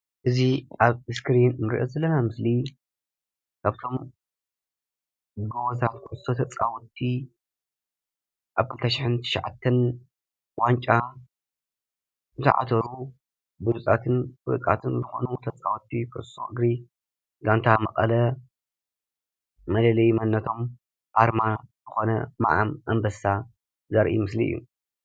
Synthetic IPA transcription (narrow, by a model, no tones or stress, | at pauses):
ʔɨziʔaβɨskɾinmɨɾḭʔozɐlːɐnamɨsli | kʰaβt̪ʰo̞m | ɡowzat̪kʰɨʔɨsot̪ʰɐt͡sʼawɔt̪ʰːi | ʔaβkʰɨlt̪ʰɐʃɪħɨnt̪ʰɨ̥ʃʕa̰t̪ʰːɐn | want͡ʃʼa | ɨt̪ʰɐ̰ʕa̰t̪ʰɐɾu | bɨlut͡sʼat̪ʰɨnfɨɾɨkʼa̰t̪ʰɨnzɨxo̰nut̪ʰɐt͡sʼawt̪ʰːikʰɨʔso̰ʔɨɡɾi | ɡant̪ʰamɐqʼɐlɐ | mɐlɐlɐjmɐnːɐt̪ʰo̞m | ʔaɾmazɨxo̞nɐma̰ʔa̰mʔɐmbɐsa | zɐɾʔḭmɨsliɨ̰jːṵ